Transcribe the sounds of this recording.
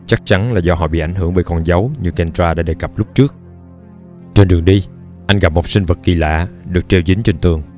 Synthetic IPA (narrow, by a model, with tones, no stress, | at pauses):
t͡ɕa˦˥k̚t͡ɕa˨˦nlaː˨˩zɔ˧ɦɔ̰˧˨ɓḭ˧˨ʔa˧˩jŋ̟ɦɨ˧˩əŋɓəː˨˦kɔ˧˩nza˨˦wɲɨ˧kɛ˧nzaː˧ɗa̰ː˧˥ɗe˨˩ka˨˩p̚lʊ˦˥k͡p̚t͡ɕɨ˦˥ək̚ | t͡ɕe˧nɗɨ˨˩əŋɗi˧ | ʔa˧jŋ̟ɣa˨˩p̚mo˨˩t̚si˧ŋ̟və˨˩t̚ki˨˩la̰ː˧˨ɗɨ˨˩ək̚t͡ɕe˧wzï˨˦ŋt͡ɕe˧nt̪ɨ˨˩əŋ